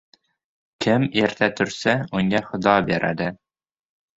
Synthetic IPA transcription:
kʲʰɪmeɾt̪ʰæt̪ʰɵɾsæʊŋæχʊ̆d̪ɑbeɾʔæ̰d̪ɪ

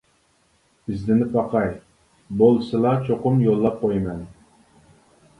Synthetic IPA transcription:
ɪzd̪ɪnɪpʰɑqʰɑj | bolˠsɨlˠɑt͡ʃʰoqʊmjolˠːɑp̚qʰojmɛn

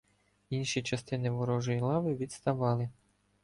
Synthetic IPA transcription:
inʃit͡ʃɐst̪ɪnɪʋɔɾɔʒɔjilˠɑʋɪʋʲid̪st̪ɐʋɑlˠɪ

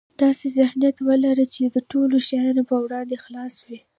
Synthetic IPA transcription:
d̪̥ɑsezɪhnijat̪wəlaɾət͡ʃed̪əʈoloʃajɑnopəwɽɑnd̪exlɑswi

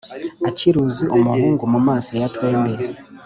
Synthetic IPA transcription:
aciɾuziʔumuɾuːŋɡumumaːso̞jatwe̞ːmbeɾe

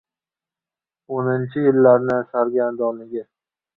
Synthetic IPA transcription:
onɪnt͡ʃʰɪjɪlːaɾnɪsaɾɡʲand̪ɒnɪɡʲa

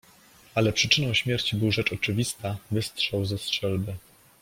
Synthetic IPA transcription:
alɛpʂɘt͡ʂɘnɔ̃w̃ɕmʲjɛɾt͡ɕibɘwʐɛt͡ʂɔt͡ʂɘvʲist̪avɘst̪ʂɛwzɛstʂɛlbɘ

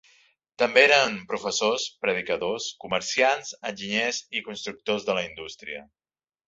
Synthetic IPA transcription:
t̪əmbeeɾəmpɾufəsospɾəð̞ikəðoskuməɾsianzənʲʒiɲɛzikunst̪ɾuk̚t̪ozðələind̪ust̪ɾiə̰

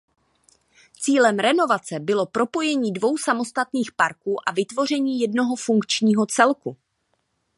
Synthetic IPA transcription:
t͡siːlɛmɾɛno̞vat͡sɛbɪlo̞pɾo̞po̞jɛɲiːdvo̞wsamo̞st̪at̪niːxpaɾkuːʔavɪt̪vo̞r̝ɛɲiːjɛdno̞ɦo̞fuŋkt͡ʃɲiːɦo̞t͡sɛlku

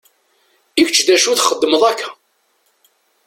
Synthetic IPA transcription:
ikt͡ʃːðæʃuθχəd̪ːəməðˤækʰːæ̥

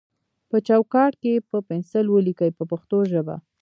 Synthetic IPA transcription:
pət͡ʃawkɑʈkepəpɪnsɪlwəlikəjpəpaxt̪oʒəba̰

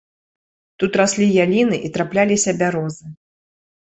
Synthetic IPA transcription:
t̪ut̪ɾasʲlʲijalʲinɨʔit̪ɾaplʲalʲisʲɐbʲaɾɔzɨ

